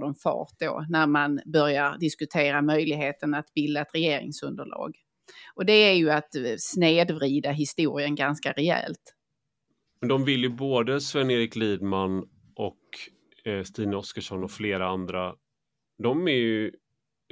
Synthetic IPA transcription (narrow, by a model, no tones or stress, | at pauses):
dɔmfɑ̰ːʈ̚d̪o̰ːnæɾmanbœɾjaɾd̪ɪskɵt̪ʰeːɾamœjlɪɡɦeːt̪ənat̪bɪld̪aɛt̪ɾɛjeːɾɪ̰ŋsɵnd̪əɭɑ̰ːɡ | ɔd̪ɛæɾjɵat̪sneːd̪vɾiːd̪aɦɪst̪uːɾɪənɡanskaɾɛɛ̰lt̪ | mɛnd̪ɔmvɪljɵboːd̪əsvɛnːeːɾɪkliːd̪man | ʔɔk | st̪iːnɔskəʂɔnɔfleːɾaand̪ɾa | d̪ɔmæɾjɵ